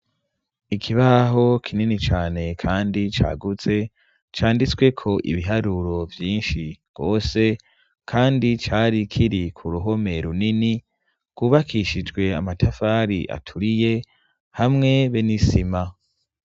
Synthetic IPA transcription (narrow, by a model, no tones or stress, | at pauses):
ikʰiβaɦo̞kʰininit͡ʃaːne̞kʰaːndit͡ʃa̰ːɡut͡se̞ | t͡ʃaːndit͡swe̞kʰo̞ʔḭβiɦaɾuɾo̞vjiːnʃiɡ̥o̞ːse̞ | kʰaːndit͡ʃaːɾikʰiɾikʰuɾuɦo̞me̞ɾunini | kuːβakʰiʃid͡ʒɡwe̞amatʰafaːɾḭʔa̰tʰuɾije̞ | hamŋe̞βenisima